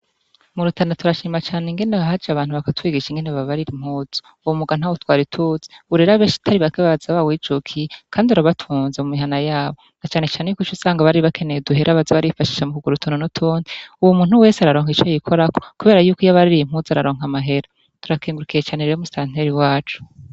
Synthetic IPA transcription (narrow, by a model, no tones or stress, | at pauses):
muɾutʰanatuɾaʃiːmat͡ʃaːneŋɡe̞neaɦad͡ʒiaβaːn̥uβakatwiːɡiʃiŋɡe̞neβaβaɾiɾim̥huːz̥o̥ | uwumuɡan̥awutwaːɾitʰuz̥e̥uɾeɾaβeːʃi̥tʰaɾiβakeβaazaβawid͡ʒukʰikʰaːndiuɾaβatʰuːnzemumiɦanajaːβo̞nat͡ʃaːne̞t͡ʃaːnejuːkut͡ʃusaːŋɡaβaɾiiβakʰe̞nejeduɦeɾʔaβazaβaɾifaʃi̥ʃamukuɡuɾutʰunonutʰoːndiuwumuːn̥uwe̞ːseaɾaɾo̞ːŋit͡ʃajikʰoɾako̥kuβe̞ːɾajuːkojaβaɾiɾiim̥huzaɾaɾo̞ːŋamaɦe̞ɾa | tuɾakiːŋɡuɾukijet͡ʃaːneɾeomustan̥eɾiwaːt͡ʃu̥